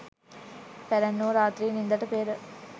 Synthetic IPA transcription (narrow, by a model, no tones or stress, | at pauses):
pæɾænːoʋɾaːt̪ɾiːnind̪ɐʈəpeːɾə